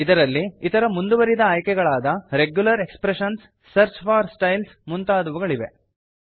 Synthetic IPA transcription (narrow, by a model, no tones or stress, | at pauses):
id̪ɐɾɐlːiːt̪ɐɾɐmund̪uʋɐɾid̪ɐaːjkɛɡɐɭaːd̪ɐɾeɡjulɐɾe̞kspɾeʃɐnsː | ɐɾt͡ʃfaːɾsʈɐjlsmunt̪aːd̪uʋɐɡɐɭiʋḛ